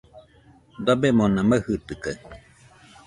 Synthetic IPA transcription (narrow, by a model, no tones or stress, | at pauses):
d̪abemõnãməhɯt̪ɨka